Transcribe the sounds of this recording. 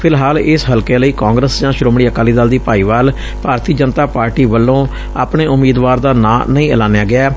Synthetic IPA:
pʰɪlɦaːlɪsɦəlkeːləiːkãːŋɡɾəsd͡ʒãːʃɾoːmɽiːəkaːliːd̪aːld̪iːpaːiːʋaːl | bʱaːɾt̪iːd͡ʒənt̪aːpaːɾʈiːʋəlːõː | a̰ːpɳeːʊmiːd̪ʋaːɾd̪aːnã̰ːnəĩːəlaːnejaːɡɪaː

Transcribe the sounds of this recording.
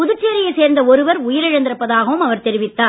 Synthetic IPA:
ʊðɯt͡ʃːeːɾɪjeseːɾnd̪ɐɔɾɯʋɐɾʊjɪɾɐɻɐnd̪ɪɾɐpːɐðaːɣɐʋɯmɐʋɐɾt̪ɛɾɪʋɪt̪ːaː

